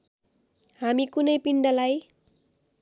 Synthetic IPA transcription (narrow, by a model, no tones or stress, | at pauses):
hamikunʌjpiɳɖʌlaj